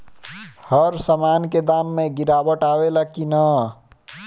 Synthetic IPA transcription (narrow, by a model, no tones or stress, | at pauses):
həɾsəmaːnked̪aːmːẽɡiɾaːbəʈaːwelakina